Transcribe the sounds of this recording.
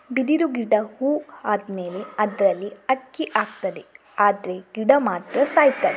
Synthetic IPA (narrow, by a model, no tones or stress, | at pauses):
bid̪iɾuɡiɖɐhuːaːd̪me̞ːleɐd̪ɾɐlːiɐʈ̚kiʔaːɡ̚t̪ɐd̪e̞ | aːd̪ɐɾe̞ɡ̥iɖɐmaːt̪ɾɐsaːjt̪ːɐd̪e